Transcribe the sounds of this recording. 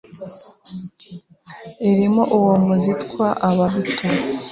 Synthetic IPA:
iɾimoʔuwomuzitkwaʔaβaβitu

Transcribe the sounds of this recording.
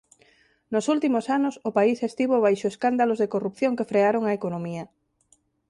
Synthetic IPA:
nosult̪imosanʊsʊpaisest̪iβoβ̞ajʃoeskand̪alozðekorupθjoŋkefɾeaɾoŋaekonõmiɐ

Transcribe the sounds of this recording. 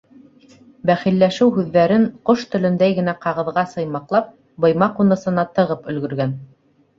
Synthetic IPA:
bæχilːæʃɘwɦʉðːæɾɘɴqoʃt̪ɵ̆lɵ̆nd̪æjɡɘ̆næqɑʁɤ̆ðʁɑsɤ̆jmɑqlˠɑp̚ | bɤ̆jmɑqunɤ̆sɤ̆nɑt̪ɤ̆ʁɤpɵ̆lɡɵ̆ɾɡæn

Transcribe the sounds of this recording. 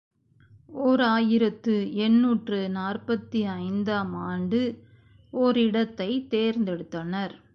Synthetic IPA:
ɔːɾaːjɪɾɐt̪ːɯɛɳːuːʈrɯnaːrpɐt̪ːiɐɪnd̪aːmaːɳɖɯ | ɔɾɪɽɐt̪ːɐɪt̪eːɾnd̪ɛɽɯt̪ːɐnɐɾ

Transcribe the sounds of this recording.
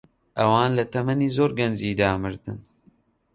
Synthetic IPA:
ʔɐwaːnlɐt̪ʰɐmɐniːzoːɾɡɐnd͡ʒiːd̪aːmɨɾd̪ɨ̰n

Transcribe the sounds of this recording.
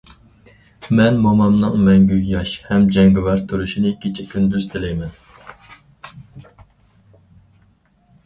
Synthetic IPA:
mɛnmɑmɑmnɨŋmɛŋɡʲyjjɑʃhɛmd͡ʒɛŋɡɪvɑɾt̪ʰuɾuʃinɪkʲʰet͡ʃʰikʲʰynd̪yz̥t̪ʰɪlɛjmɛn

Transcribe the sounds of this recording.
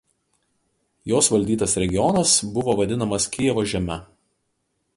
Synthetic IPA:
joːsʋɐlʲd̪ʲiːt̪ɐsɾʲɛɡʲɪɔnɐsbʊʋoːʋɐd̪ʲɪnɐmɐskʲɪjɛʋoːʒʲɛmʲɛ

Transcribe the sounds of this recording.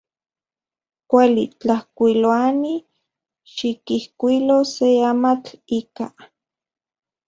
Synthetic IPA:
kʷalit͡ɬahkʷiloani | ʃikihkʷiloseamat͡ɬika

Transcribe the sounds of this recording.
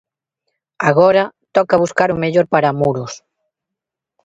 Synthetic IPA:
aɣoɾat̪ɔkaβ̞uskaɾumeʎoɾpaɾamuɾos

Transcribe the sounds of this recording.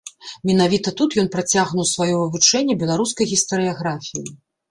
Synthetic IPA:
mʲɛnavʲit̪ɐt̪ut̪jɔnpɾat͡sʲaɣnuwsvajɔvɨvut͡ʂɛnʲːɛbʲɛlˠaɾuskɐjɣʲist̪ɐɾɨjaɣɾafʲijḭ

